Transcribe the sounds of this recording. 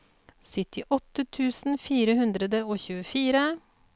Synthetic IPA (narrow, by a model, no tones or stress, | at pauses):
sʏt̪ɪʔɔt̪ət̪ʰʉːsn̩fiːɾəhʉnd̪ɾəd̪əoːçʉːəfiːɾə